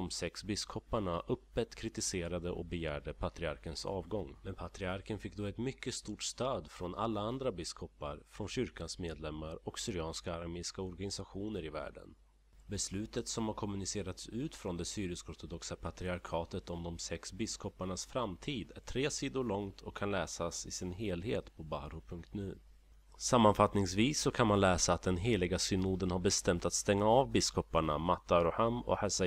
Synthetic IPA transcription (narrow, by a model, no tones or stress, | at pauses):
ɔmsɛksbɪskʰɔpːaɳaʔɵpːət̪kʰɾɪt̪ɪseːɾad̪əʔɔ̰k̚bɛjæːɖəpʰat̪ɾɪaɾkənsɑ̰ːvɡɔŋːmɛnpʰat̪ɾɪaɾkənfɪk̚ːd̪ɔːɛt̪mʏkːəst̪uːʈst̪øːd̪fɾɔnʔa̰lːaand̪ɾabɪskʰɔpːa̰ɾfɾɔnɕʏɾkansmeːd̪lɛmːaɾɔksʏɾɪɑːnskaːɾaɾmeːɪskaɔɾɡanɪsaɧuːnəɾɪvæ̰ːɖə̰n | bɛslʉ̟ːt̪ət̪sɔmhaɾkʰɔmɵnɪseːɾat̪sʉ̟ːt̪fɾɔnd̪ɛsyːɾɪskɔɾt̪ɔd̪ɔksapʰat̪ɾɪaɾkʰɑːt̪ət̪ɔmd̪ɔmsɛksbɪskʰɔpaɳasfɾamt̪ʰiːd̪æ̰ʈʰɾeːsiːd̪ʊɭɔŋt̪ʰɔkʰːanlɛːsasɪsɪnɦeːlɦeːt̪pʰɔbahɾʊpʰɵŋk̚t̪nʉ̟ː | samːanfat̪nɪŋsviːsːɔkʰanmanlɛːsaːt̪̚d̪ɛnɦeːlɪɡasʏnuːd̪ənhaɾbɛst̪ɛmt̪at̪st̪ɛŋːaɑːvbɪskɔpaɳamat̪ːaɾɔhamɔ̰hɛsa